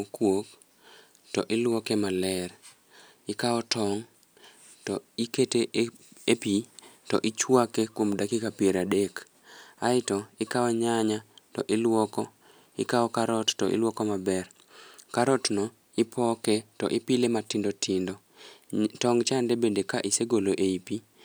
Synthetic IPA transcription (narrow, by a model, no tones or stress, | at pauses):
okwok | tɔʔɪlwɔkemalɛr | ɪkaɔtɔŋ | tɔiketeepitɔʔɪt͡ʃwakekwomdakikapieɾadek | aɪtɔɪkaɔɲaɲatɔ̰ʔɪlwɔkɔ | ɪ̰kaɔkaɾɔttɔ̰ʔɪ̰lwɔkɔmabɛr | kaɾɔtnɔ | ɪpʰɔketɔ̰ʔɪpilematindotʰindɔ | tɔŋt͡ʃandebendekaʔiseɡoloʔeipi